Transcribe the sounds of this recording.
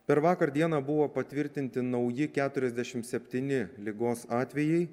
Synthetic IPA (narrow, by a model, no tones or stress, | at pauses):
pʲɛɾʋɑːkɐɾd̪ʲiɛnɑːbʊʋoːpɐt̪ʲʋʲɪɾʲt̪ʲɪnʲt̪ʲɪnɐʊjɪkʲæːt̪ʊɾʲɛzʲd̪ʲɛʃʲɪmt̪sʲɛpʲt̪ʲɪnʲɪlʲɪɡoːsɑːt̪ʲʋʲɛjɛɪ